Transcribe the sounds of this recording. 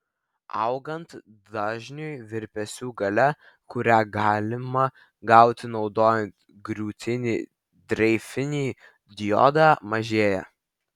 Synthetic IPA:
ɐʊɡɐnt̪ | d̪ɑːʒʲnʲojʋʲɪɾʲpʲɛsʲuːɡɐlʲɛ | kʊɾʲæɡɑːlʲɪmɐ | ɡɐˑʊt̪ʲɪnɒʊd̪oːjɛnt̪ | ɡɾʲuːt̪ʲɪnʲiː | d̪ʲɾʲɛɪfʲɪnʲiː | d̪ʲjɔ̰ːd̪ɑːmɐʒʲeːjɛ̰

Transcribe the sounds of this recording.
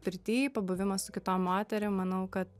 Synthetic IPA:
pʲɪɾʲt̪ʲiːpɐbʊʋʲɪmɐssʊkʲɪt̪oːmmoːt̪ʲɛɾʲɪmmɐnɐʊkɐt̪

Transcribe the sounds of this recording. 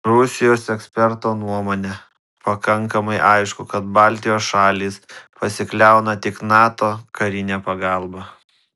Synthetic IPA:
ɾʊsʲɪjoːsɛksʲpʲɛɾt̪oːnuɔmoːnʲɛ | pɐkɐŋkɐmɐɪʔɐɪʃkʊkɐt̪̚bɑːlʲt̪ʲɪjoːsʃɑːlʲiːspɐsʲɪklʲæˑʊnɐt̪ʲɪknɑːt̪oːkɐɾʲɪnʲæːpɐɡɑˑlˠbɐ

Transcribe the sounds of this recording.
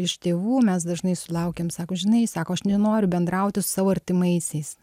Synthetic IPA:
ɪʃt̪ʲeːʋuːmʲɛsd̪ɐʒnɐɪsʊlˠɐʊkʲeːmsɑːkoːʒʲɪnɐɪsɑːkoːɐʃnʲɛnoːɾʲʊbʲɛnd̪ɾɐʊt̪ʲɪsʊ̥sɑːʋoːɐɾʲt̪ʲɪmɐɪsʲɛɪs

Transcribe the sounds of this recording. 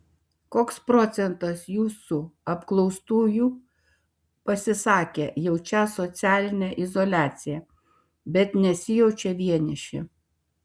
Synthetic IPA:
koːkspɾɔːt̪sʲɛnt̪ɐsjuːsuɐpklˠɔʊst̪uːjuː | pɐsʲɪsɑːkʲejɛʊt͡ʃʲæːsɔt̪sʲæːlʲɪnʲɛʔɪzɔlʲæːt̪sʲɪjɛ | bʲɛt̪nʲɛsʲɪjɛʊt͡ʃʲɛʋʲiɛnʲɪʃʲɪ̰

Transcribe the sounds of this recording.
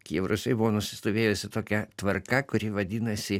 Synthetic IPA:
kʲiɛʋɾʊsʲɛɪbʊʋoːnʊsʲɪ̥st̪oːʋʲeːjʊsʲɪt̪oːkʲɛt̪ʋɐrkɐkʊɾʲɪʋɐd̪ʲɪnɐsʲɪ

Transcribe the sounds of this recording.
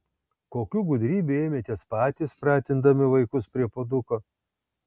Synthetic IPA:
koːkʲuɡʊd̪ʲɾʲiːbʲueːmʲeːt̪ʲeɛspɑːt̪ʲispɾɑːt̪ʲɪnd̪ɐmʲɪʋɐɪkʊspʲɾʲiɛpod̪ʊkoː

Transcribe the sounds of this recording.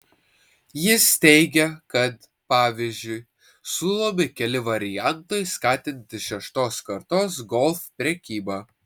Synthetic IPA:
jɪst̪ʲɛɪɡʲɛkɐt̪ | pɑːʋʲizʲd͡ʒʲʊɪ | suːlˠoːmʲɪkʲɛlʲɪʋɐɾʲɪjænˑt̪oɪskɑːt̪ʲɪnʲt̪ʲɪʃʲɛʃt̪oːskɐɾt̪oːs̬ɡɔlˠfpʲɾʲɛkʲiːbɑː

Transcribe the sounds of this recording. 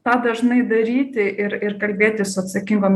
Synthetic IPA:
t̪ɑːd̪ɐʒnɐɪd̪ɐɾʲiːt̪ʲɪʔɪɾɪɾkɐlʲbʲeːt̪ʲɪsʊɐt̪sɐkʲɪŋɡoːmʲ

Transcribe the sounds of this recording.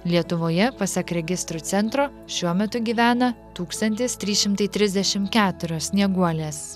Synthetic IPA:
lʲiɛt̪ʊʋoːjɛpɐsʲɛkɾʲɛɡʲɪst̪ɾuːt̪sʲɛnt̪ɾoː | ʃʲuɔmʲɛt̪ʊɡʲiːʋʲæːnɐt̪uːkst̪ɐnʲt̪ʲɪst̪ʲɾʲiːʃʲɪmt̪ɐɪt̪ʲɾʲɪzʲd̪ʲɛʃʲɪmkʲæːt̪ʊɾʲoːssʲnʲiɛɡuɔlʲeːs

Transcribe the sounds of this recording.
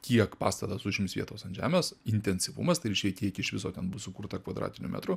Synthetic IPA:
kʲiɛkpɑ̰ːst̪ɐt̪ɐsʊʒʲɪmʲɪsʋʲḭɛt̪oːsɐnʒʲæ̰ːmʲeːsɪnʲt̪ʲɛnʲsʲɪʋṵmɐst̪ɐɪɾʲiɪʃʲkʲɛkʲiɛkʲɪʃʲʋʲɪsoːt̪ʲɛnbʊsʊkuːɾt̪ɐkʋɐd̪ɾ̰ːt̪ʲɪnʲʊ̰mʲæ̰t̪ɾʊ

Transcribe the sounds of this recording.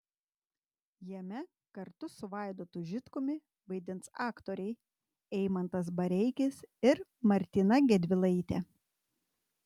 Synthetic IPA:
jɛmʲɛ | kɐɾt̪ʊsʊʋɑˑɪd̪oːt̪ʊʒʲɪt̪kʊmʲɪ | ʋɐɪd̪ʲɪnt̪sɑːkt̪oːɾʲɛɪ | ɛɪmɐnt̪ɐs̬bɐɾʲɛɪkʲɪsɪɾmɐɾʲt̪ʲɪnɐɡʲɛd̪ʲʋʲɪlˠɐɪt̪ʲɛ

